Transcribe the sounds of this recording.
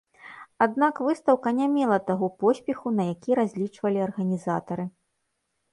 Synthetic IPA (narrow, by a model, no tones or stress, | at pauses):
ad̪nakvɨst̪ɐwkɐnʲamʲɛlˠɐt̪aɣɔpɔsʲpʲɛxunɐjakʲiɾazʲlʲit͡ʂvɐlʲiɐrɣɐnʲizat̪ɐɾɨ